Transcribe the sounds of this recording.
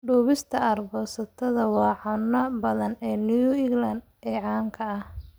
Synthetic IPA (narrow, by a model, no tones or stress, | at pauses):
ɖuːβɪst̪ʰɐɐrbɔːsɐt̪ʰɐðɐwɑːʕʊnːɐbɐðɐnɛːnujuɪɡlɐnd̪ɛːʕɑːŋkʰɐɐh